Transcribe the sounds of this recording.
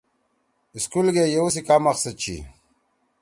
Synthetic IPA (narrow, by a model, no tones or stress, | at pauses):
iskulɡejewusikamaxsɐd̪̚t͡ɕʰḭ